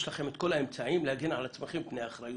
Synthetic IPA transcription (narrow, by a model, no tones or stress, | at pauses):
ʃlaχe̞met̪ko̞lae̞mt͡saimlehaɡenʕa̰lat͡smeχimpnejaːχɾaju